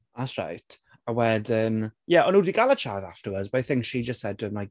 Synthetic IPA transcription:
ðatsɹa̰jtʰ | əwɛdɪnjɛʔɔnuːdiɡalˠət͡ʃʰaːdaftəwədzbaθɪ̃ŋkʃid͡ʒəstsɛd̚wəmlaj

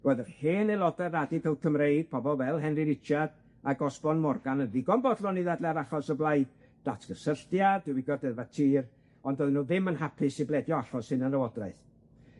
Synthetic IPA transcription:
ɔðərheːnelˠɔdɛradɪpʰəwkʰəmrejd̥̚pʰɔbɔlˠvɛlˠɦɛnrɨɾɪt͡ʃad̥ | aɡɔsbɔnmɔrɡanənðiɡɔnbɔdlˠɔniðadlɛɾaχɔsəblˠajd | d̥atʰɡ̥əsəɬtjad̥ɪwiɡɔrdɛðvatʰiːr | ɔndoðnuðɪmənhapʰɪsiblɛdjɔaɬɔsɨnənəwɔdraɨθ

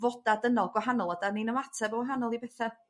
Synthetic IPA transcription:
vɔd̥adənɔlˠɡwaɦanɔlˠɔdaninəmatʰɛbɔwɛɦanɔlˠibɛθɛ

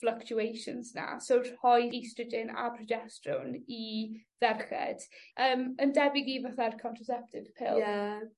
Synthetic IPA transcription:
fləkt͡ʃuejʃə̰nzna̰sorhɔjistəd͡ʒɪna̰pʰrɔd͡ʒɛstrʊ̰niðɛrχɛ̰d̥əːməndɛbɪɡivaθarkʰɔ̃ntʰrəsɛp̚tʰɪv̥pʰɪ̰la

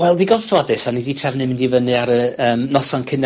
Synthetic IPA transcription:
wɛlˠdiɡɔðfrɔdɨsaniditʰɛvnɨmɪndivənɨaɾəəːmnɔsɔnkʰɪn

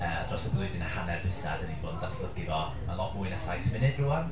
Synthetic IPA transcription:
əːadrɔsəblˠʊɨðɪnahanɛrdwɪθadəninboːnðatʰb̥lˠəɡɪvɔ | malˠɔʔmuɨnasajθəvɪnɨd̥ruan

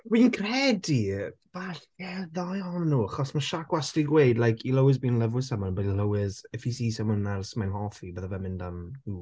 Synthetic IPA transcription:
wiːnkʰrɛdib̥aɬjɛðajɔnnuːaχɔsmaʃakwastiɡweɨdlˠajkʰiləwɪzbiːnlɛvwɨsɛmɔnbɛdləwɪzɛfisiːsɛmɔnnarsmajnhɔfibəðavɛmɪndanu

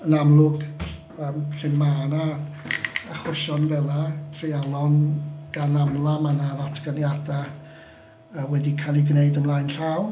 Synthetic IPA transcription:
ənamlˠʊɡ | əːmpʰrɪnmaːnaː | χwʊʃɔnvɛlˠatʰrealˠɔnɡ̥anamlˠamanaðatʰɡ̥ənjada | əwɛdikʰalˠiɡneɨdəmlˠaːjnɬaw

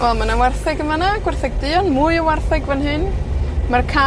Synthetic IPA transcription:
vɛlˠmanawɛrθɛɡəmanaɡ̥wɛrθɛɡ̚dɨːɔnmujəwɛrθɛɡvɛnɦɨnmarkʰa

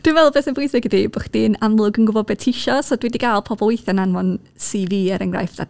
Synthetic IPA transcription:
d̥winvɛlˠbesənbʊjsɪɡədibɔχd̥inamlˠʊɡənɡʊbɔbɛd̚tʰiʃɔsɔdwɛdiɡalˠpʰɔbɔlˠwejθjananwɔn | siːviːɛɾənŋɡra̰jfd̥a̰tʰ

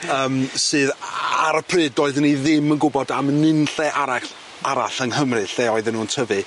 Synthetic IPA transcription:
əːmsɨːðaɾəpʰrɨːdɔɨðniðɪmənɡʊbɔdamnɪnɬɛʔaɾa | aɾa̰ɬənhəmrɨɬɛɔɨðɪnːuːntʰəvɨ

